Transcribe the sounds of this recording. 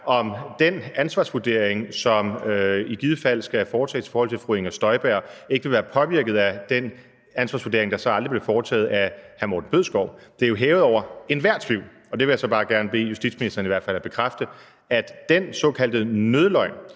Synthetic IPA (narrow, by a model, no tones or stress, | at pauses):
ɒ̽md̥enænsʋɑ̈sʋud̥e̝ɐ̰eŋsɒ̽miɡ̥iðˠəfæl̰sɡ̥æfɒːt͡sʰɛ̰ːsʰi̥fɒːhɒ̽l̰t͡sʰe̝lfʁueŋɒ̽sd̥ɒ̽ɪb̥æɐ̰e̝ɡ̥ʋe̝ʋæːɐpʰɒ̽ʋiɐɡ̥ð̩ˠæd̥en | ænsʋɑ̈ːsʋud̥e̝ɐe̝ŋd̥ɑ̈sɒ̽ɑ̈ld̥ʁib̥lefɒːt͡sʰɛ̰ːð̩ˠæhæmo̰ːd̥n̩b̥øð̰ˠsɡ̥ɒʊ̰d̥eɐjo̝ɦɛːʊð̩ˠɒʊ̰ɐe̝nʋæɐ̰d̥t͡sʰʋiʊ̰ | ɒ̽d̥eʋe̝jäsɒ̽b̥ɑ̈ːɡ̥æɐnəb̥e̝̰ːjusd̥id̥sminisd̥ɐːniʋæɐd̥fæl̰æb̥e̝kʰʁafd̥ə | æd̥d̥ensɒ̽ːkʰæl̰d̥ənøðˠəlɒ̽ɪ̰n